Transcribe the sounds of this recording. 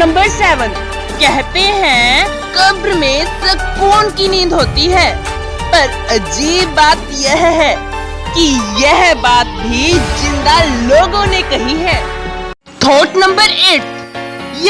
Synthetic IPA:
nɐ̃mbəɾsɛːʋən | kɛɦt̪eɦɛ̃ | kɐbɾmẽsɐkuːnkinĩːd̪ɦoːt̪iɦɛː | pɐɾ | ɐd͡ʒiːbːaːt̪jɛɦɦɛː | kijɛɦbaːt̪̚bʱid͡ʒɪ̃nd̪aloːɡõnekɐɦiɦɛ̃ː | t̪ʰoːʈnɐ̃mbəɾeːʈ̚j

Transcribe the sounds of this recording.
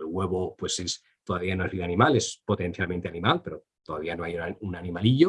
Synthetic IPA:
elɣwe̞βopwe̞ses | t̪oðaβianoe̞zβiðanĩmale̞spo̞t̪ẽ̞nθjalment̪e̞anĩmalpe̞ɾo̞ | t̪oðaβianoajunanĩmaliʎo

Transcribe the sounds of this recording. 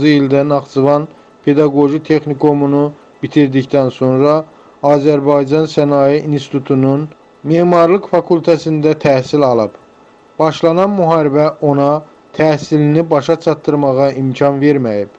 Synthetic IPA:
zɯild̪ænɑχt͡sɯvɑn | pʰe̞d̪ɑɡo̞ʒit̪ʰe̞xnikʰo̞munu | b̥it̪ʰiɾd̪ict̪ænso̞nɾɑ | ɑːzæɾbɑjd͡ʒɑnsænɑjiʔinst̪i̥t̪ʰut̪ʰunun | meːmɑɾlˠɯkfɑkʰult̪ʰæsind̪æt̪ʰæhsilɑlˠɯb̥ | b̥ɑʃlˠɑnɑnmuɦɑːɾibæʔo̞nɑ | t̪ʰæsilinibɑʃɑt͡ʃʰɑt̪ːɯɾmɑʁɑʔimcʰɑnve̞ɾmæjib̥

